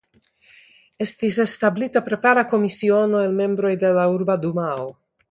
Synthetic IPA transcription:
e̞st̪ise̞stablitapɾe̞paɾako̞misionoelme̞mbɾo̞jde̞lauɾbad̪umao

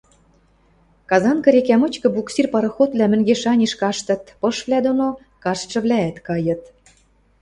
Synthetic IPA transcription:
kɑzɑnkɤ̆ɾekæmɤ̆t͡ɕkɤ̆buksirpɑɾɤ̆xot̪βlʲæmɘ̆ŋɡeʃɑnʲiʃkɑʃt̪ɤ̆t̪pɤ̆ʃβlæd̪ono | kɑʃʃɤ̆βlʲæːt̪kɑjɤ̆t̪

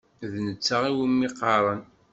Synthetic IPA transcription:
ðnət͡sːaʁiwəmːiqːɑɾˤən

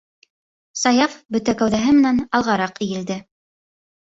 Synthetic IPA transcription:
sɑjɑfbɵ̆t̪ækæwðæɦɘmɘ̆nænɑlˠʁɑɾɑqĭjɘ̆ld̪ɘ

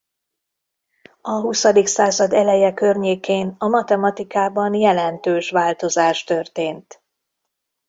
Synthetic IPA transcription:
ɒɦusɒd̪iksaːzɒd̪ɛlɛjɛkørɲeːkeːnɒmɒt̪ɛmɒt̪ikaːbɒnjɛlɛnt̪øːʃʋaːlt̪o̞zaːʃt̪ø̞rt̪eːnt̪

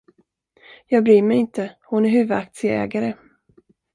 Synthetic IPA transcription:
jɑːɡbɾyːmɛjɪnt̪əhʊnæɾɦʉ̟ːvəd̪ak̚t̪sɪəɛ̰ːɡaɾə

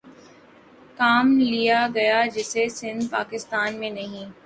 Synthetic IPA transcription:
kaːmlijaɡɐjad͡ʒɪsesɪ̃nd̪paːkɪst̪aːnmẽnɐɦĩ

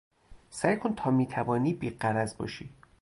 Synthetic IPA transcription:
sæjkʰont̪ʰɒːmiːt̪ʰævɒːniːbiːɢæɾæzbɒ̰ːʃiː

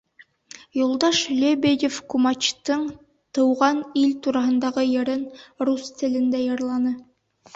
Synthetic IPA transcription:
julˠd̪ɑʃlʲebʲejʲefkumɑt͡ʃt̪ɤɴ | t̪ɤ̆wʁɑnilt̪uɾɑɦɤ̆nd̪ɑʁɤjɤ̆ɾɘnrust̪ɘ̆lɘ̆nd̪æjɤ̆ɾlˠɑnɤ

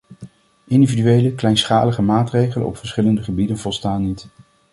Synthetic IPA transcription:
ɪndividyejləklɛjnsχaːləχəmaːtrejχələ̰nɔ̰pfəɹsχɪləndəχəbidənvɔlˠstaːnːit

